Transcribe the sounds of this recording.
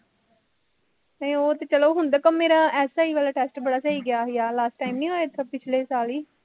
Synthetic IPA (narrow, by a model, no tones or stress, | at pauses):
neoːt̪eːt͡ʃəloːɦʊnd̪aːkəmːeːɾaːɛːsaːiːʋəːlaːʈɛːsʈbəɽaːsaːiːɡɪaːɦɪjaːlaːsʈːaːimnĩːɦoːet̪ʰəpɪt͡ʃʰleːsaːliː